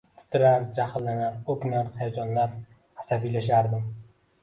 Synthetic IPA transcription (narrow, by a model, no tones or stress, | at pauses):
t̪ʰɪ̥t̪ʰɪɾaɾd͡ʒahlːanaɾɵkʲnaɾhajad͡ʒɒnlaɾ | æasabijlaʃaɾd̪ɪm